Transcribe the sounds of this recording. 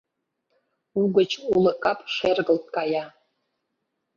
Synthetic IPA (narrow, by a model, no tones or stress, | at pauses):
uɡʷət͡ʃʰulɨkʼapʼʂʷerɡəltʼkʼaja